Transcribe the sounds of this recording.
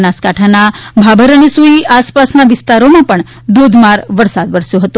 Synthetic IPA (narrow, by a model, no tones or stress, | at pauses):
naskaʈʰanabʱabʱəɾənesuiaspasnaʋɪst̪aɾomãpəɳ | d̪od̪ʱmaɾʋəɾsad̪ʋəɾsjõɦət̪ũ